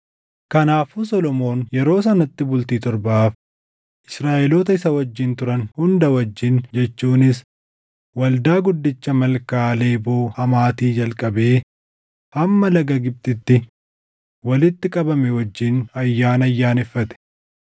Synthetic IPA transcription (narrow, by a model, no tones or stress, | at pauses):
kɐnaːfusɔlɔmo̞ːnjɛɾo̞ːs̬ɐnɐt̪ːɪbʊlt̪iːt̪ɔɾbɐaːf | ʔɪsɾaːʔɛloːt̪ɐɪsɐwɐd͡ʒːɪnt̪ʊɾɐnhʊnd̪ɐwɐd͡ʒːɪnd͡ʒɛt͡ʃːuːnɪs | wɐld̪aːɡʊd̪ːɪt͡ʃːɐmɐlkaːle̞ːboːhɐmaːt̪iːd͡ʒɐlkʼɐbe̞ː | hɐmːɐlɐɡɐɡɪb̚t̪ʼɪt̪ːɪ | wɐlɪt̪ːɪkʼɐbɐmɛwɐd͡ʒːɪnɐjːaːnɐjːaːnɪfːɐt̪ɛ̥